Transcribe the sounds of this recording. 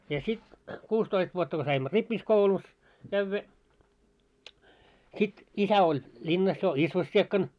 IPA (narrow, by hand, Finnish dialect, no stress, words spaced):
jɑ sit kuːstoist ʋuotːɑ ko sɑimːo ripːiskoulus kæʋːæ sit isæ olʲ lʲinːɑs jo isʋosːiekːɑn